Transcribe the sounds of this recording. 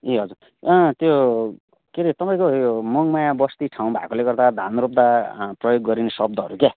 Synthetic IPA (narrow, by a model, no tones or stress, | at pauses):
eɦʌd͡zuɾ | ʌt̪jo | keɾit̪ʌpãj̃koomʌŋmajabʌst̪iʈʰaw̃bʱa̰koleɡʌrd̪ad̪ʱanɾop̚d̪aprʌjoɡːʌɾinesʌb̚d̪ʱʌɦʌɾuke